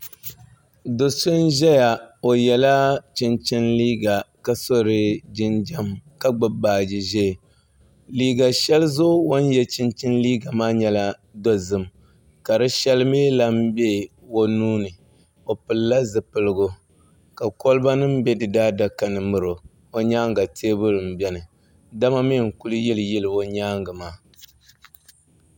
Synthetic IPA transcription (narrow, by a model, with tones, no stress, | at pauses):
do˨sʊ˦n˦ʒɛ˦ja˨o˨jɛ˨la˦t͡ʃɪ˦nt͡ʃɪ˦nliː˦ɡa˨ka˦so˦ɾɨ˨d͡ʒɪ˦nd͡ʒa˦mka˦ɡ͡bɨ˨baː˨d͡ʒɪ˨ʒe˦˨ | liː˦ɡa˨ʃɛ˦lzo˦wo˦njɛ˦t͡ʃɪ˦nt͡ʃɪ˦nliː˦ɡa˨maː˦ɲɛ˦la˦ | dɔ˦zɨ˨m | ka˨ɾɨ˦ʃɛ˦lɨ˦meː˦la˦m˦be˦˨ | wo˦nuː˦nɨ˨ | o˨pɨ˨lla˦zɨ˨pɨ˨lɨ˨ɡʊ˦ | ka˨ko˦lɨ˦ba˦nɨ˦m̩˦bɛ˦dɨ˨daː˦da˦ka˨nɨ˨mɨ˨ɾo˨ | o˦ɲaː˦ŋ˦ɡa˨tʰeː˦bɨ˦ɾɨ˨m̩˨bɛ˦nɨ˨ | da˦ma˦mi˦˨ŋ̩˨ku˦lɨ˦jɪ˦lɨ˨jɛ˦lɨ˨o˦ɲaː˦ŋɡɨ˨maː˦